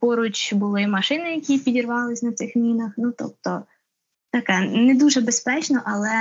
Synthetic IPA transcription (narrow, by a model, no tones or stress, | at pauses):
pɔɾut͡ʃʲbʊlˠɪmɐʃɪnɪjɐkʲipʲidʲirʋɑlˠɪsʲnɐt̪sɪxmʲinɐxnut̪ɔ̰p̚t̪ɔ | t̪ɐkɛnɛd̪uʒɛbespɛt͡ʃnɔʔɐlˠɛ